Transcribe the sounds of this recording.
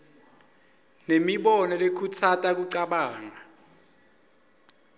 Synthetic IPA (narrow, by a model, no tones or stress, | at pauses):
nemiɓɔnɔlekʰut͡sʰatʼak̬uǀaɓaːŋa